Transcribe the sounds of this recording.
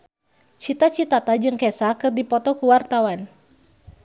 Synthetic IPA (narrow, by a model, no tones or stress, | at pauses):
t͡ʃit̪at͡ʃit̪at̪ad͡ʒɨŋkɛsakɨrdipɔt̪ɔkuwart̪awan